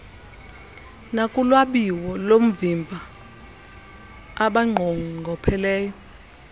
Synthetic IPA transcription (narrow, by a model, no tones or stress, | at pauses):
nakʼulwaɓiwɔlom̩vimbʱa | aɓaŋ͡ǀʱoŋŋʱɔpʰɛlɛːjɔ